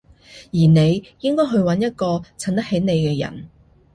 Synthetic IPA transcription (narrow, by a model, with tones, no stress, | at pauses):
jiː˨˩ne˨˧jjɪ˥ŋkɔː˥jɦɵ˧ɥwɐ˨˥njɐ˥t̚kɔː˧t͡sʰɐ˨˥nt̪ɐ˥k̚he˨˥jne˨˧jkɛː˧jɐ̰˨˩n